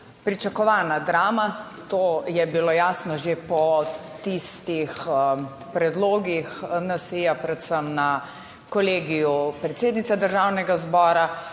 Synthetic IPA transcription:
pɾit͡ʃakɔʋanad̪ɾaːma | t̪oːjɛbilojaːsnɔʒepɔt̪ist̪ix | pɾɛd̪loːɡixnasijapɾɛt̪səmna | kɔleːɡijupɾɛt̪seːd̪nit̪sad̪əɾʒaːwnɛɡazbɔːɾa

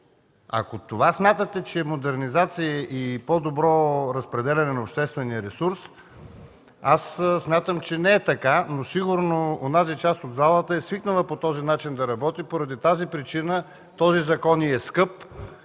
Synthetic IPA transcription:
ɐ̰kot̪ovasmʲjat̪ət̪ɛt͡ʃɛmod̪ɛɾnizat̪sijəʔipɔd̪obɾɔɾəspɾɛd̪ɛlʲɛnɛnɐopʃt̪ɛst̪vɛnijəɾɛsuɾs | assmʲjat̪əmt͡ʃɛnɛɛt̪ɐkanosiɡuɾnoonazit͡ʃast̪od̪zalˠət̪əɛsviknəlˠəpot̪ɔzinat͡ʃind̪ɐɾɐbɔt̪ipoɾɐd̪it̪azipɾit͡ʃinə | t̪ɔzizɐkɔniɛskɤp

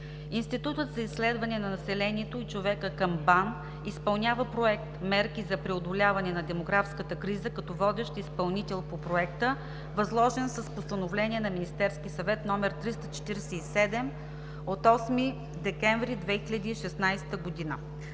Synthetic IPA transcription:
inst̪it̪ut̪ət̪zɐisːlɛd̪vɐnɛnɐnɐsɛlɛnʲiɛt̪oit͡ʃovɛkəkəmban | ispɐlˠnʲavəpɾoɛk̚t̪mɛɾkʲizɐpɾɛod̪olʲavɐnɛnɐd̪ɛmoɡɾafskət̪əkɾizəkɐt̪ɔvɔd̪ɛʃt̪ispɐlˠnit̪ɛlˠpopɾoɛkt̪ə | vɐzlˠɔʒɛnsəspost̪ɐnovlɛnʲiɛnɐminist̪ɛɾskisɐvɛt̪nɔmɛɾt̪ɾist̪ət͡ʃɛ̥t̪iɾɛsɛisɛd̪ɛm | ot̪ɔsmi | d̪ɛkɛɱvɾid̪vɛxilʲɐd̪iːʃɛsnajst̪əɡod̪inə

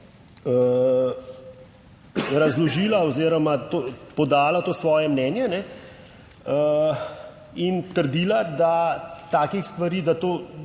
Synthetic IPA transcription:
ə | ɾazlɔʒiːlaoziːɾɔmat̪oːpɔd̪aːlat̪oːsʋɔːjɛmnɛːnjɛnɛ | ə | int̪əɾd̪iːlad̪at̪aːkixst̪ʋaɾiːd̪at̪oː

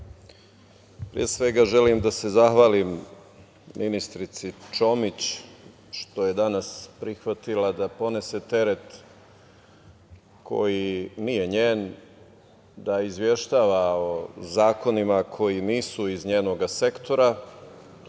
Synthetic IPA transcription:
pɾḭjesʋe̞ɡaʒe̞limd̪ase̞zaxʋaːlimː | inist̪ɾit̪sit͡ʃo̞mit͡ɕ | ʃt̪o̞je̞d̪anaspɾixʋat̪ilad̪apo̞ne̞se̞t̪e̞ɾe̞t̪ | kʰo̞̰jinije̞ɲeːn | d̪aizʋje̞ʃt̪aːʋaozaːko̞nimakʰo̞jiniːsuizɲeːno̞ɡase̞kt̪ʰo̞ɾa

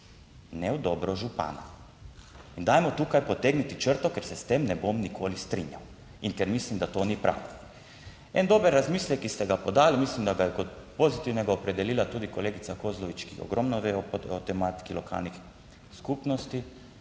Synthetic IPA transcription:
nɛwd̪obɾɔʒupa̰ːna̰ | ind̪aːjmot̪uːkajpot̪eɡnit̪it͡ʃəɾt̪okɛɾsɛst̪emnɛbomnikʰolist̪ɾḭɲjaw | inkɛɾmislimd̪at̪onipɾa̰ːʋo | ɛ̰nd̪obəɾːazmiːslɛkist̪ɛɡapod̪aːlimislimd̪aɡajɛkot̪̚pozit̪iwnɛɡaopɾɛd̪ɛliːlat̪uːd̪ikoleːɡit̪sakozloʋit͡ʃkixo̰ɡɾomnɔʋeot̪ɛmat̪i̥kilokʰa̰lnix | skupnost̪i

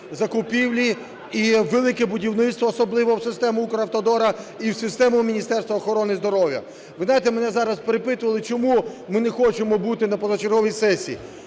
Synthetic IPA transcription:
zɐkʊpʲiwlʲi | iʋelˠɪkɛbʊdʲiwnɪt̪st̪ʋɐːsɔblˠɪʋɔwsɪst̪ɛmʊukɔɾɐwt̪ɔd̪ɔɾɐiwsɪst̪ɛmʊmʲinʲist̪ɛrst̪ʋɐːxɔɾɔnɪzd̪ɔɾɔwjɐ̰ | ʋɪznɑjɪt̪ɛmenɛzɑɾɐspeɾepɪt̪ʊʋɐlˠɪt͡ʃɔmumɪnɛxɔt͡ʃemɔbut̪ɪnɐpɔzɔt͡ʃerɦɔʋʲijsɛsʲiː

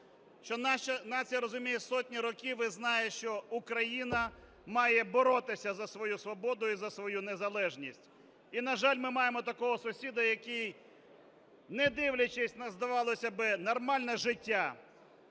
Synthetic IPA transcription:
ʃt͡ʃɔnɐnɑt͡sʲijɐɾɔzʊmʲijɛsɔtʲnʲiɾɔkʲiʋɪznɑjɛʃt͡ʃɔukɾɐjinɐ | mɑjɛbɔɾɔt̪ɪsʲɐzɐsʋɔjusʋɔbɔd̪ʊizɐsʋɔjunezɐlˠɛʒnʲisʲtʲ | inɐʒɑlʲmɪmɑjemɔt̪ɐkɔɦɔsʊsʲid̪ɐjɐkij | nɛd̪ɪwlʲɐt͡ʃɪsʲnɐzd̪ɐʋɑlˠɔsʲɐbɪnɔrmɑlʲnɛʒɪtʲːa

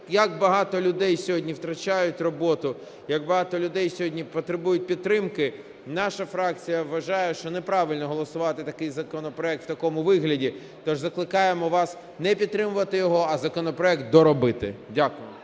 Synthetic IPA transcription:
jɐɡbɐɦɑt̪ɔlʲʊd̪ɛjsʲɔɦɔdʲnʲiwt̪ɾɐt͡ʃajʊtʲrɔbɔt̪ʊ | jɐɡbɐɦɑt̪ɔlʲʊd̪ɛjsʲɔɦɔdʲnʲipɔt̪ɾɪbujʊt̚ʲpʲid̪t̪t̪ːɾɪmkɪ | nɑʃɐfɾɑk̚t͡sʲijɐʋːɐʒɑjɛʃt͡ʃɔnɛpɾɑʋɪlʲnɔɦɔlˠɔsʊʋɑt̪ɪt̪ɐkɪjzɐkɔnɔpɾɔɛk̚t̪wt̪ɐkɔmʊʋɪɦlʲɐdʲi | t̪ɔʒzɐklˠɪkɑjemɔʋɑs | nɛpʲid̪t̪ːɾɪmʊʋɐt̪ɪjɔɦɔɐzɐkɔnɔpɾɔɛkt̪̚d̪ɔɾɔbɪt̪ɪ̰dʲakʊjɪ

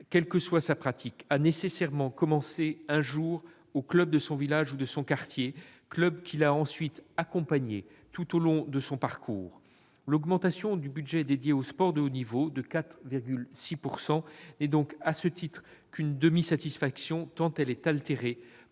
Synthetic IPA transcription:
kʲɛlkəswasapχat̪ʰikanesesɛʁmɑ̃kɔmɑ̃seɛ̃ʒuːʁ | oklœb̚d̪əsɔ̃vilaʒud̪əsɔ̃kaʁt̪jeklœbkʲʰilaɑ̃sɥit̪akɔ̃paɲe | t̪ut̪olɔ̃d̪əsɔ̃paʁkʰuːʁ | lɔɡmɑ̃t̪asjɔ̃d̪ybyd̪ʒɛd̪ed̪jeospɔʁd̪əonivod̪əkat̪χviʁɡʲylsipuʁsɑ̃nɛd̪ɔ̃kasət̪it̪χ | kynd̪əmisat̪isfaksjɔ̃t̪ɑ̃t̪ɛlɛt̪alt̪eʁe

